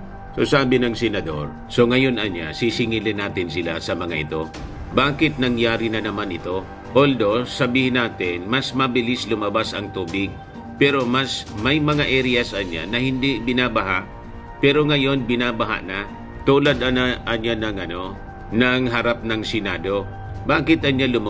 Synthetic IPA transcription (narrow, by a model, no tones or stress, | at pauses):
so̰saːbɪnɐŋsɛnɐd̪o̞̰ɾ | so̞ŋɐjo̞nɐnja̰sisɪŋilɪnaːt̪ɪnsɪla̰sɐmɐŋaʔɪt̪o̞ | baːkɪt̪̚nɐŋjaːɾɪnɐnɐmanɪt̪o̞ | ʔold̪o̞sɐbiːhɪnaːt̪ɪnmɐsmɐbɪlɪslʊmɐbasɐŋt̪uːbɪɡ̚ | pɛɾo̞masmɐjmɐŋaʔɛɾɪjɐsɐnja̰nɐhɪnd̪iʔbɪnabɐɦaʔ | pɛɾo̞ŋɐjo̞nbɪnabɐɦa̰ʔna | t̪uːlad̪ɐʔɐnɲanɐŋʔɐno̞ | nɐŋɦɐɾap̚nɐŋsɪnaːd̪o̞ | baːkɪt̪ʔɐnɲalʊm